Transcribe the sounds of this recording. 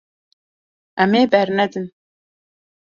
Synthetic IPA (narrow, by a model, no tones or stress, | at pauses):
ʔɛmeːbɛɾnɛd̪ɨn